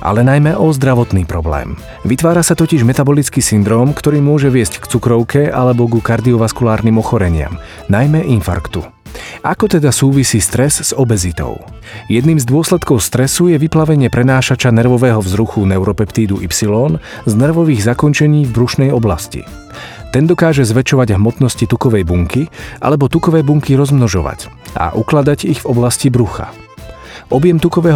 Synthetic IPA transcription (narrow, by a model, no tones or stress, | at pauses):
ʔa̰lɛnajmɛʔɔzd̪ɾaʋɔt̪niːpɾɔblɛ̰ːm | ʋit̪ʋaːɾasat̪ɔciʒmɛt̪abɔlit͡skiːsind̪ɾɔːmkt̪ɔɾiːmʊɔʒɛʋɪɛsckt͡sukɾɔʊkʰɛalɛbɔɡukaɾd̪iɔʋaskulaːɾniːmɔxɔɾɛɲɪa̰m | najmɛʔinfa̰ɾkt̪ṵ | ʔakɔt̪ɛd̪asuːʋisiːst̪ɾɛzz̥ɔbɛzit̪ɔ̰ʊ | jɛd̪niːmzd̪ʊɔslɛt̪kɔʊst̪ɾɛsujɛʋiplaʋɛɲɪɛpɾɛnaːʃat͡ʃanɛɾʋɔʋɛːɦɔvzɾuxunɛʊɾɔpɛpt̪iːd̪uʔipsilɔːn | znɛɾʋɔʋiːɣzakɔnt͡ʃɛɲiːvbɾuʃnɛjɔblascḭ | t̪ɛnd̪ɔkaːʒɛzʋɛt͡ʃɔʋaɟɦmɔt̪nɔscit̪ukɔʋɛjbuŋkiʔa̰lɛbɔt̪ukɔʋɛːbuŋkiɾɔzmnɔʒɔʋa̰c | ʔa̰ʔuklad̪aɟiɣvɔblascibɾuxa̰ | ʔɔbjɛmt̪ukɔʋɛːɦ